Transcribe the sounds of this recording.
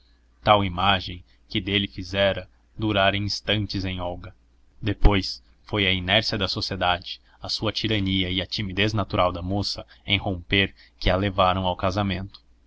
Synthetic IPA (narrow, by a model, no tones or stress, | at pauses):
t̪awimaʒẽj̃ | kɪd̪elɪfizɛɾɐ | d̪uɾaɾẽj̃st̪ɐ̃nt͡ʃɪzẽj̃ɔwɡɐ | d̪epojs | fojɐinɛɾsiɐd̪ɐsosied̪ad͡ʒɪ̥ | ɐsuɐt͡ʃiɾɐniɐɪɐt͡ʃimid̪eznat̪uɾʔawd̪ɐmosɐẽj̃hõmpeɾkɪalevaɾɐ̃w̃awkazamẽnt̪ʊ̥